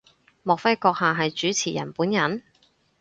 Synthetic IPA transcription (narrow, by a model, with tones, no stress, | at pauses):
mɔː˨k̚fɐ˥jkɔː˧k̚haː˨ɦɐ˨jt͡ʃyː˨˥t͡sʰiː˨˩jɐ̰˨˩npuː˨˥njɐ˨˥n